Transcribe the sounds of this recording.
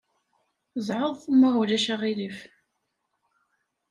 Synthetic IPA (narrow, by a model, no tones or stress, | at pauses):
zˤʕəðˤməʁʊlæʃæʁilif